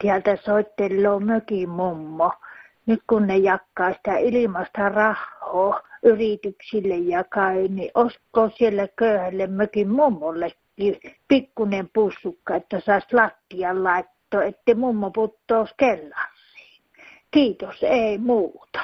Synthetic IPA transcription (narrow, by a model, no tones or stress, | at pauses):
t̪iælt̪æsoˑit̪ːelːoːmøkimmumːo | nyk̪kunnejɑkːɑˑːsi̥t̪æilimɑst̪ɑrɑhːoːʔyrit̪yksilːejjɑkɑˑiniʔʔoskːˑoːsielːækøˑyhælːemmøkimmumːolːekːiːpikːunempusːukːɑet̪ːæsɑˑislɑt̪ːiɑllɑˑet̪ːoːet̪ːeimumːoput̪ːoːˑuskelːɑrːi̥ː | kiːt̪oseˑimuːt̪ɑ̥